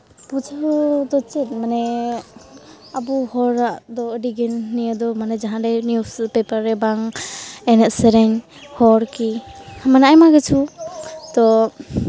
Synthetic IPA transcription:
pud͡ʒɔd̪ɔt͡ʃɛt̪̚manɛ | abuhɔɾaʔd̪ɔəɖiɡɛnnːijəd̪ɔmanɛd͡ʒaɦãdɛjnjuspɛpaɾːɛbaŋɛnɛʔsɛɾɛɲ | hɔɾkihamanajmaɡɛt͡ʃʰut̪ɔ

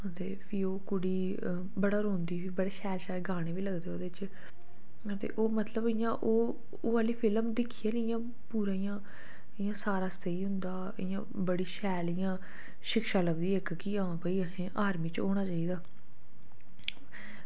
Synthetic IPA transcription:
ət̪eːpʰiːoːkʊɽiː | bəɽaːɾõːnd̪iːpʰiːbəɽeːʃɛːlʃaːɾeːɡaːɽ̃eːʋiːləɡd̪eːɦoːd̪eːt͡ʃ | ət̪ḛːʔoːmət̪ləbɪjãːʔoː | aːliːpʰɪlmd̪ɪkʰiːaːnɪjãː | puːɾaːijãː | ɪjãːsaːɾaːsət̪əiːɦʊ̃nd̪aː | ɪjã̰ː | bəɽiːʃɛːlɪjãː | ʃɪkʃaːləbd̪iːekkiãːpəiːɦẽːʔaːɾmiːt͡ʃoːɽ̃aːt͡ʃaːiːd̪aː

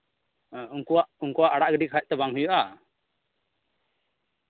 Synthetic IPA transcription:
uŋkuwaʔuŋkɔwaʔaɽaʔɡəɖikʰac̚t̪ɛbaŋɦujɔʔa

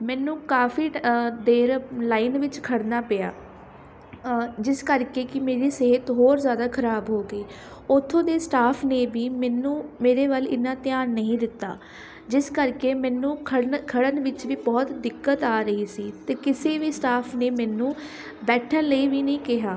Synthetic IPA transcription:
mɛːnũːkaːfiːd̪eːɾlaːinʋɪt͡ʃkʰəɽnaːpɪja̰ː | d͡ʒɪskəɾkeːkɪmeːɾiːseːɦət̪ɦoːɾzjaːd̪aːkʰəɾaːbɦoːɡəiː | ʊt̪ʰːõːd̪eːsʈaːpʰneːʋiːmɛːnũːmeːɾeːʋəlɪ̰nːãːt̪ɪjaːnːəɦĩːd̪ɪt̪ːa̰ː | d͡ʒɪskəɾkeːmɛ̃ːnũːkʰəɽkʰəɽənʋɪt͡ʃʋiːbɔːt̪d̪ɪkːət̪aːɾəɦiːsiːt̪eːkɪseːʋiːsʈaːpʰneːmɛːnũː | bɛːʈʰənləiːʋiːnəĩːkɪɦaː

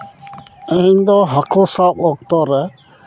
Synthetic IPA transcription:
eɲd̪ɔɦakʰosapɔk̚t̪ɔɾɛ

